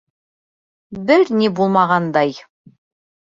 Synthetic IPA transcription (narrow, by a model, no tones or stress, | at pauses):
bɘɾnibulˠmɑʁɑnd̪ɑj